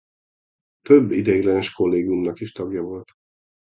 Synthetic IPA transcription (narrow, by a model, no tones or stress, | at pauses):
t̪øbːid̪ɛɡlɛnɛʃko̞lːeːɡjumnɒkiʃt̪ɒɡjɒvo̞lt̪